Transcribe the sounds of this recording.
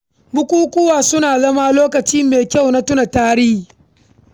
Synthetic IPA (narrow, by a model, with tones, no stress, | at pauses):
bʊ˦kʷuː˦kʷʊ˦waː˨sʊ˦naː˨zɐ˦maː˦loː˦kɐ˨t͡ʃiː˦meː˨kʲa˦˨wna˦tʊ˦na˨taː˦ɽɪː˦˨